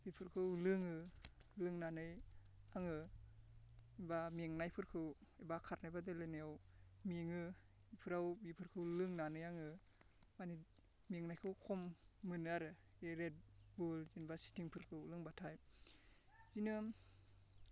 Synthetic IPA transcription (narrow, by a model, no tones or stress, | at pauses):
bipʰɯɾkʰɯwlɯŋɯlɯŋnanɯjaŋɯ | ibamiŋnajpʰɯɾkʰɯwibakʰaɾnajbadɯlɯnɯjawmiŋɯ | ipʰɯɾawbipʰɯɾkʰɯwlɯŋnanɯjaŋɯ | mani | miŋnajkʰɯwkʰɔmːɯnaɾɯ | eɾed̚bulzinbasi̥tʰiŋpʰɯɾkʰɯulɯŋbatʰaj | zinɯ